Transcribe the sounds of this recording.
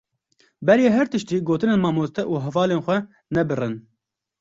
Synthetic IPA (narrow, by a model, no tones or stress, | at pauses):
bɛɾjeːɦɛɾt̪ɨʃt̪iːɡoːt̪ɨneːnmɑːmoːst̪ɛʔuːɦɛvɑːleːnxʷɛ | nɛbɨrɨn